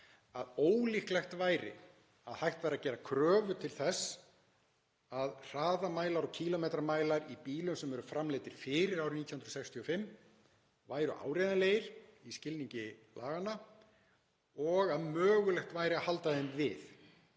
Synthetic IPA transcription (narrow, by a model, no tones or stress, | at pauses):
aðoːwlihklɛxt̪vaːjɾɪ̰ | aðhajxt̪vɛɾacɛːɾakʰɾœːvʏt̪ʰɪlθɛs | aðr̥aːðamaːjlaɾɔcʰiːlɔmejt̪ɾamaːjlaɾipiːlʏmsɛmvɛɾʏfɾamleːjt̪ɪɾ̥fɪɾɪɾawɾɪmnit̪jhnɾɔsɛkst̪ʰiɔfɪmː | vaːjɾʏ̰ʔa̰ːwɾejðaleːjɪɾ̥iscɪlniɲcɪlʔa̰ːɣanːa | ɔɣaðmœːɣʏlɛxt̪vaːjɾɪahalt̪aðɛmvɪ̰θ